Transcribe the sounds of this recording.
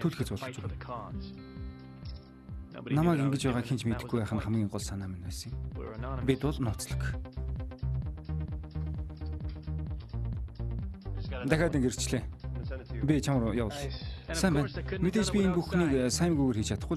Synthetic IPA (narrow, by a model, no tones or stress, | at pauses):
t̪ʰuɮxɘ̆t͡sɔɮɞ̥̆t͡ɕuɣ̆n | namæːkeŋɡɘ̆t͡ɕpæːʁaːkxʰent͡ɕmet̪ɘ̆ɡujpæːχə̆nχæmɡʲiːŋɢɔɮsanaːminpæːsə̆ŋ | pit̪ʊɮnʊːt͡sɮə̆k | t̪æxʲaːt̪iːŋɡeɾɘ̆t͡ɕɮeː | pʲit͡ɕʰamə̆rjawə̆ɮsæːmpæːnmet̪eːt͡ɕpʲienpuxniːksæːjɪ̆mɡujɣeːrxit͡ɕʰat̪ə̥̆χɡŭ